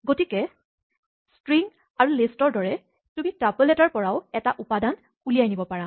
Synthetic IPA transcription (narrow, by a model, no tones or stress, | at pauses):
ɡotikɛ | stɹiŋ | aɹulistɔɹdɔɹɛ | tumitapoletaɹpɔɹaʊɛtaʔupadan | kulijajnibɔpaɹa